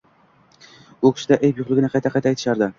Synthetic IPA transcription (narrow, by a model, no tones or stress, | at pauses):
ʊkʲʰɪ̥ʃɪd̪aʔejpjʊχlˠɪɡʲɪnɪqʰɑjt̪ʰaqʰɑjt̪ʰajt̪ʰɪ̥ʃaɾd̪ɪ